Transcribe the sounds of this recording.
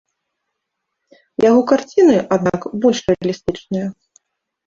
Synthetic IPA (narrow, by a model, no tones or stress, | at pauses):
jaɣɔkart͡sʲinɨʔad̪nakbɔlʲʂrɛɐlʲist̪ɨt͡ʂnɨjɐ